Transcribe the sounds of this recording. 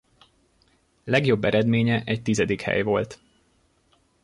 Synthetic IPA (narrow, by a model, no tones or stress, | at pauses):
lɛɡjo̞bːɛɾɛd̪meːɲɛʔɛc̚t̪izɛd̪ikhɛ̰jvo̞lt̪